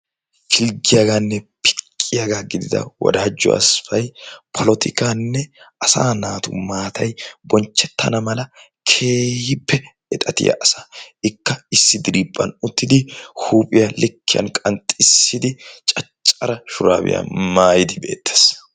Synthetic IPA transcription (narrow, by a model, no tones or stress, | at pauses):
fɪlɡɪjaɡaːnːɛpʰɪ̥kʼːɪjaːɡaːɡɪd̪ɪd̪ɐ̰wɔ̰d̪aːd͡ʒːɔ̰ʔɐ̰sfɐjpʰɔlɔt̪ʰɪkaːnːɛʔɐsaːnaːt̪ʊ̰maːt̪ʰɐjbɔnt͡ʃːɛt̪ʰːɐnɐmɐlɐ | kʰeːhɪpːɛ | ɛt̪ʼɐt̪ɪ̰jɐ̰ʔɐsaɪkːɐɪsːɪd̪ɪɾiːpʼːɐnʊt̪ːɪd̪ɪhuːpʼɪjɐlɪkʰːɪjɐ̰nkʼɐnt̪ʼɪsːɪd̪ɪt͡ʃʼɐt͡ʃʼːɐɾɐʃʊɾa̰ːbɪ̰ja̰maːjɪd̪ɪbe̞̰ːt̪ːe̥s